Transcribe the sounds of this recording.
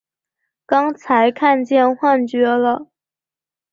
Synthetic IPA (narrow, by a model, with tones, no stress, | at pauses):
kɑ˥ŋt͡sʰa˧˥ɪkʰa˥˧nt͡ɕjɛ˥˧nxwa˥˩nt͡ɕɥɛ˧˥lə˨